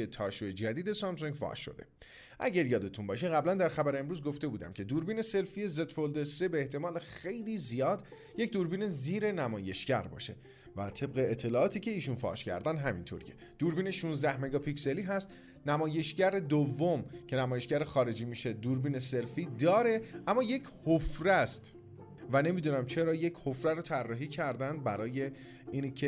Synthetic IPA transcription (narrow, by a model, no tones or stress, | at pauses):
et̪ʰɒːʃoed͡ʒæd̪iːd̪e̞sɒms̬uŋɟfɒ̰ːʃːo̞̰d̪e̞̰ | ʔæ̰ɟæɾjɒːd̪e̞t̪ʰunbɒːʃiɣæblænd̪æɾxæbæɾeemɾuːzɡo̞ft̪e̞buːd̪æ̰mcʰe̞d̪uːɾbiːne̞se̞lfije̞ze̞t̪fold̪esebeːht̪ʰe̞mɒːlexe̞jliːzijɒːd̪ | je̞cʰd̪uɾbiːne̞ziːɾe̞næmɒːje̞ʃɟæɾbɒ̰ːʃe̞̰ | væ̰t̪ʰe̞bɣeːt̪ʰːe̞lɒːʔɒːt̪ʰiːcʰe̞iːʃunfɒ̰ːʃcʰæ̰ɾd̪ænd̪ɦæmḭnt̪ʰo̰ɾjʰe | d̪̥uːɾbiːneʃunzd̪æhme̞ɡɒːpʰicse̞liːɦæst̪ | næmɒːje̞ʃɟæɾed̪ovːomcʰe̞næmɒːje̞ʃɟæɾexɒːɾe̞d͡ʒiːmiːʃed̪uːɾbiːne̞se̞lfiːd̪ɒːɾe̞ʔæmːɒːje̞cʰhofɾæst̪ | væne̞miːd̪unæmt͡ʃʰe̞ɾɒːje̞cʰhofɾæɾot̪ʰærːɒːɦiːcʰæɾd̪ænd̪̚bæɾɒːje̞ | iːncʰe